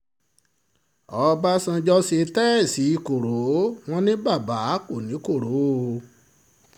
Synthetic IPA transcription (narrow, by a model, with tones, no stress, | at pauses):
ɔ˧˦˧ba˦sã˧d͡ʒɔ˦se˧tɛ˦˨si˨˦i˦˨ko˨ɾo˨˦w̃ɔ̃˦nĩ˦ba˦˨ba˨˦ko˦˨nĩ˨˦ko˦˨ɾo˨˦˨